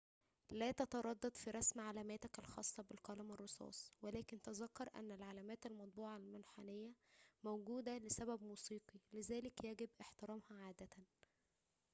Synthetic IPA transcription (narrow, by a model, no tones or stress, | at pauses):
læːt̪ɑt̪ɑɾˤɑd̪ːɑd̪fiɾˤɑsmʕalæːmæːt̪ækælxɑ̰ːsˤːɑbelqɑːlɪmɑrˤːosˤɑ̰ːsˤwelæːkent̪æzɑkːɑɾˤʔæ̰nːælʕalæːmæːt̪ælmɑt̪̚ˤbuːʕɑlmænħanejːæmowɡuːd̪ælɪsæbæbmuːsiːqilɪzæːlɪkjæɡɪbʔeħt̪ɪɾɑːmhɑʕaːd̪æt̪æn